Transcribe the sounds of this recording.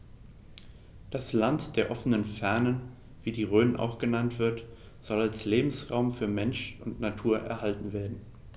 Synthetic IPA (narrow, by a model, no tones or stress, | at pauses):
d̥aslantd̥eːɐʔɔfənənfɛɐnən | viːdiːʁøːnənʔa̰ʊxɡ̥ənantv̥ɪɐt | z̥ɔlalsleːbm̩sʁa̰ʊmfyːɐmɛnʃʊntnatʰuːɐʔɛ̰ɐhaltn̩veːɐdn̩